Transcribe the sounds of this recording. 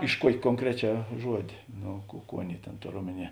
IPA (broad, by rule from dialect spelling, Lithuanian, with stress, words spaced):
ɪʃ ˈkuɔkʲeː koːŋˈkrʲæːˌt͡ʃʲæː ˈʒuɔdʲeː ˈnoː ˈkuː ˈkuː ˈɑːˌnʲeːɪ ˈtʲeːn ˈtoːr ˈoːmʲɛˌnʲiɛ